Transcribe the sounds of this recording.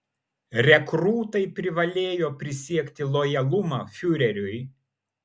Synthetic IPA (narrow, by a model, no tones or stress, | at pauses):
ɾʲɛkɾuːt̪ɐɪpʲɾʲɪʋɐlʲeːjoːpʲɾʲɪsʲiɛkʲt̪ʲɪlˠɔjɐlˠʊmɑːfʲʊɾʲɛɾʲʊj